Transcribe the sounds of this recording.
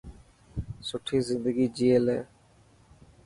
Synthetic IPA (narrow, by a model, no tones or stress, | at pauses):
sʊʈʰiːzɪnd̪əɡiːd͡ʒieːlɛ̰ː